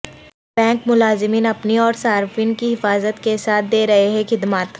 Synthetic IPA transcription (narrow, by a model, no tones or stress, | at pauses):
b̥ɛ̃ːŋkmʊlaːzɪmiːnɐpniɔːɾsaːɾfiːnkiɦɪfaːzət̪kesaːt̪̚ʰd̪eːɾɐɦeɦɛ̃xɪd̪maːt̪